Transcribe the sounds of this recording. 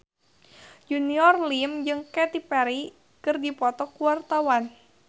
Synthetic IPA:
d͡ʒuniɔrlimd͡ʒɨŋkɛt̪ipɛɾi | kɨrdipɔt̪ɔkuwart̪awan

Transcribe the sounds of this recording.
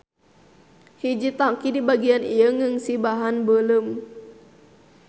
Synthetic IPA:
hid͡ʒit̪akidibaɡianijəŋəŋsibaɦanbələm

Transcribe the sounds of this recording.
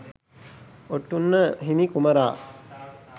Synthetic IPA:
oʈːunːəɦinikuməɾaː

